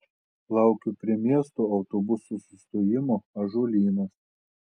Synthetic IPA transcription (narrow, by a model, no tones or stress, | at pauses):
lˠɑˑʊkʲʊpʲɾʲiɛmʲiɛst̪oːɐʊt̪oːbʊsusʲʊst̪oːjɪmoːɐʒoːlʲiːnɐs